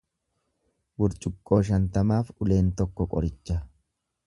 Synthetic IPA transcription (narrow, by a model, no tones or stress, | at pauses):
wʊɾt͡ʃʼʊkʼːo̞ːʃ̬ɐnt̪ɐmaːfʊle̞ːnt̪ɔkːɔkʼɔɾɪt͡ʃːɐ